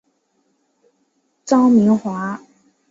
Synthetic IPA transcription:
t͡sɑ˥ʊmi˧˥ŋxwa˧˥

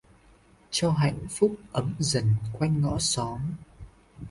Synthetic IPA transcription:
t͡ɕɔ˧ɦa̰˧˨jŋ̟fʊ˦˥k͡p̚ʔə˨˦mzə˨˩nkwa˧jŋŋɔ̰˧˥sɔ˨˦m

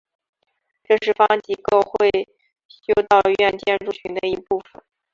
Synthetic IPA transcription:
ʈ͡ʂɤ˥˧ʂɻ̩˥˩fɑ˥ŋt͡ɕi˧˩ko˥˧ʊxwe˥˩ɪɪ | ɕjo˥ʊt̪ɑ˥˧ʊɥɛ˥˧nt͡ɕjɛ˥˧nʈ͡ʂu˥˩ɕy˧˥ŋd̪ə˧i˧˥pu˥˩fə̰˨˩˦n

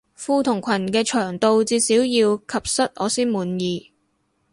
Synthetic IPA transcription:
fuː˧t̪ʰʊ˨˩ŋkʷʰɐ˨˩nkɛː˧t͡ʃʰœː˨˩ŋt̪o˧wt͡siː˧siː˨˥wjiː˧wkʰɐ˨p̚sɐ˥t̚ʔɔː˨˧siː˥nmuː˨˧njiː˨˧

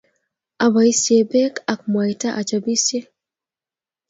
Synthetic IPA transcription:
a˨βa˨i˦sje˨bɛ˦ka˨k̚mwa˨ita˦ʔa˨t͡ʃabi˦sje˦

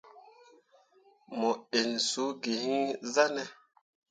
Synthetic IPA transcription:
mɔ˨e˨nsu˨˦ɡe˨hi˦za˦nɛ˨

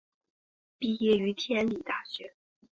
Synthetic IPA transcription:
pi˥˧jɛ˥˩y˧˥t̪ʰjɛ˥˧˥nli˨˩t̪a˥˩ɕɥɛ˧˥

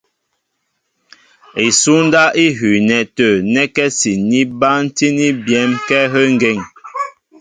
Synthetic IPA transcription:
i˨su˦n˦da˦ʔi˦ɦʉ˨nɛ˨tə˨nɛ˦kɛ˦si˨ni˦ba˦n̩˦ti˦ni˦bjɛ˦mkɛ˦ɦə˦ŋ̩˨ɡe˦˨ŋ

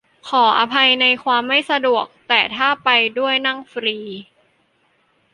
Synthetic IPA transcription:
kʰɔː˩˦ʔa˧pʰa˧jna˧jkʰwaː˧mːa˥˩jsa˧du˨˩ək̚t̪ɛː˨˩t̪ʰaː˥˩pa˧jdu˥˩əjna˥˩ŋfɾiː˧

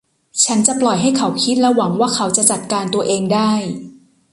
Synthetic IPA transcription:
t͡ɕʰa˦˥nt͡ɕa˨˩plɔ˨˩jɦa˥˩jkʰa˩˦wkʰi˦˥t̪̚lɛ˦˥wa˩˦ŋwaː˥˩kʰa˩˦˥wt͡ɕa˨˩t͡ɕa˨˩t̪̚kaː˧nt̪u˧ɐʔeː˧ŋdaː˥˩j

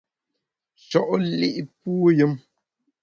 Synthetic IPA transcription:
t͡ʃɔ˦ʔli˦ʔpuː˦jə˦m

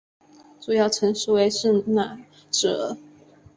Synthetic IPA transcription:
ʈ͡ʂu˨˩jɑ˥˩ʊʈ͡ʂʰɤ˧˥ŋʂɻ̩˥we˧˥ɪʂɻ̩˥˩na˨˩ | ʈ͡ʂɤ˨˧˩

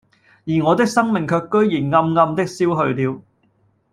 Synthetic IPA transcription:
jiː˨˩ŋɔː˨˧t̪ɪ˥k̚sɐ˥ŋmɪ˨ŋkʰœː˧kːɵ˥ɥjiː˨˩nŋɐ˧mŋɐ˧mt̪ɪ˥k̚siː˥wɦɵ˧ɥliː˨˧w

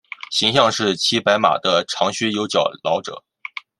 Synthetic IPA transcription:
ɕi˧˥ŋɕ̬jɑ˥˧ŋʂɻ̩˥˩t͡ɕʰi˥pa˧˥ɪma̰˨˩d̪ə˦ʈ͡ʂʰɑ˧˥ŋɕy˥jo˧˥ʊt͡ɕjɑ˨˩ʊlɑ˧˥ʊʈ͡ʂɤ̰˨˩˦

